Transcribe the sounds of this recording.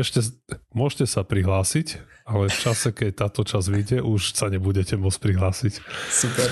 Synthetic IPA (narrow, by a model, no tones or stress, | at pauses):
ɛʃcɛmʊɔʒcɛsapɾiɦlaːsicalɛft͡ʃasɛkɛc̚t̪aːt̪ɔt͡ʃazʋiɟɛʔuʃsaɲɛbuɟɛcɛmʊɔt͡s̚ʲpɾiɦlaːsicsupɛ